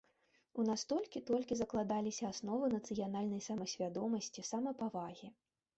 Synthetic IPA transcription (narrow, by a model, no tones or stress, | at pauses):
unast̪ɔlʲkʲit̪ɔlʲkʲizɐklˠad̪alʲisʲɐasnɔvɨnɐt̪sɨjanalʲnɐjsɐmɐsʲvʲad̪ɔmɐsʲt͡sʲisamɐpavaɣʲi